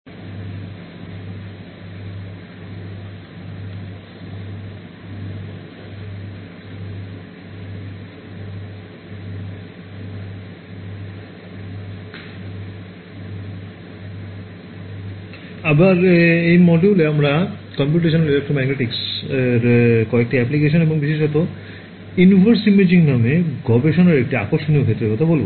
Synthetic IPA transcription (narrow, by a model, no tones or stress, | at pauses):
abaɾejmɔɖuleamɾakɔmp̬juʈ̬eʃ̬onelelek̚ʈɾomɛɡneʈikseɾkɔek̚ʈiɛplik̬eʃ̬oneboŋbiʃeʃɔt̪o | invʱoɾsimed͡ʑiŋnameɡɔbeʃonaɾek̚ʈiakoɾʃoniokʰet̪ːɾekɔt̪ʰabolbo